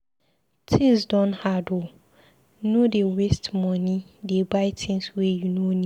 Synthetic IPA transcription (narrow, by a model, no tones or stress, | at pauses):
tʰĩsdɔ̃nhado | nodewestmɔ̃nĩdebaɪtʰɪ̃nswejunõnĩ